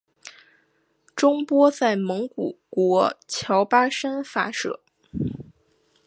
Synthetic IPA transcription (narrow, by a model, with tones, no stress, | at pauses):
ʈ͡ʂʊ˥ŋpwɔ˥t͡sa˥˩ɪmɤ˧˥ŋku˨˩kwɔ˧˥t͡ɕʰjɑ˧˥ʊpa˥ʂa˥nfa˥ʂɤ̰˥˩˦